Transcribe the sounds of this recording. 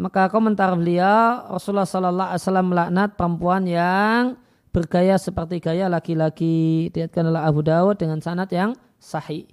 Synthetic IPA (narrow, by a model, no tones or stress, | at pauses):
makakomənt̪arbəliarɔsulahsɔlɔlːaa̰jsalamːəlaʔnat̪̚pəɾəmpuanjaŋ | b̥ərɡajasəpərt̪iɡajalakilaɡidiat̪̚kanolaɦabudaʊt̪̚dəŋansanat̪jaŋ | sahi